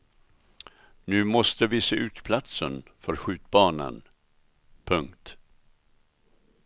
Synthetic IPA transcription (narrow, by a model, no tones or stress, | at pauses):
nʉ̟ːmɔst̪əvɪseːʔʉ̟ːt̪pʰlat̪sənfœɾɧʉ̟ːt̪̚bɑːnə̰n | pʰɵŋkt̪